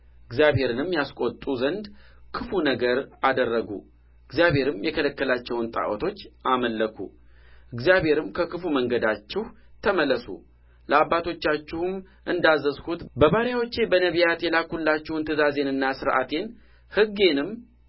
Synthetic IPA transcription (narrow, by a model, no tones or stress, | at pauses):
ʔɨɡzijaβhe̞ɾɨnɨmːjaskʷʼo̞t̪ʼːuzənd̪kʰɨfunəɡəɾad̪ərːəɡṵ | ɨɡzjaβhe̞ɾɨmjɛkʰələkːəlat͡ʃːɛwunt̪ʼa̰ʔwot̪ʰo̞t͡ʃːʔaməlːəkʰṵ | ʔɨɡzijaβhe̞ɾɨmkʰəkʰɨfuməŋɡəd̪at͡ʃːɪh | t̪ʰəməlːəsṵ | ləabːat̪ʰo̞t͡ʃːat͡ʃːɪhum | ʔɨnd̪azːəshut̪bəβaɾjawot͡ʃːe̞bənəβijat̪jɛlakhulːat͡ʃːɛhunt̪ʰɨzaze̞nɨnːasɨɾʔa̰t̪ʰe̞n | hɨɡe̞nɨm